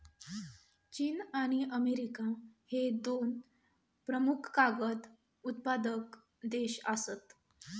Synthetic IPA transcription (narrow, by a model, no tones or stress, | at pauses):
t͡ɕiːnaɽ̃iʔəmeɾikahed̪on | pɾəmukʰkaɡət̪ | ut̪̚pad̪ək | d̪eɕəsət̪